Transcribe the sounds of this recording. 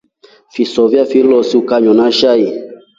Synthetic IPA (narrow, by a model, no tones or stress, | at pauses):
fisɔvjafilɔsiukaɲɔnaʃai